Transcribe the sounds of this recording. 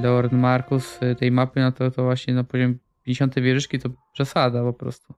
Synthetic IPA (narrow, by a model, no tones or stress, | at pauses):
d̪ɔɔɾnmaɾkust̪ɛjmapɘnɔt̪ɔt̪ɔvwaɕɲɛnapɔʑɔmʲ | pʲjɛ̃nɲd͡ʑeɕɔnt̪ɛjvʲjɛʐɘʂkʲit̪ɔpʂɛsad̪apɔpɾɔ̰st̪u